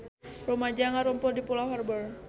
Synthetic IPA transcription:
rumad͡ʒaŋaɾumpɔdipulaɦɔrbər

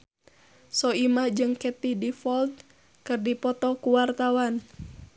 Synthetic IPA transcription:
sɔimahd͡ʒɨŋkɛt̪idifɔld̪̚ | kɨrdipɔt̪ɔkuwart̪awan

